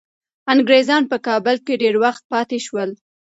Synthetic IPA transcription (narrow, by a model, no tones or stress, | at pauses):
aŋɡɾezɑnpəkɑbəlkeɖeɾwaxt̪̚pɑt̪eʃwəl